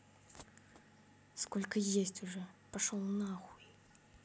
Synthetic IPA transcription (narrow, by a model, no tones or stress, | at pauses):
skɔlʲkɐjesʲt͡sʲuʐɛpaʂɔlˠnaɣujʲ